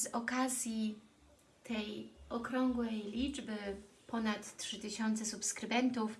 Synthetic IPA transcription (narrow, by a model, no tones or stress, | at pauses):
zɔkazʲji | t̪ʰɛjɔkɾɔŋɡwɛjlʲid͡ʐbɘ | pʰɔnat̪tʂɘt̪ɘɕɔnt̪sɛsupskɾɘbɛnt̪uf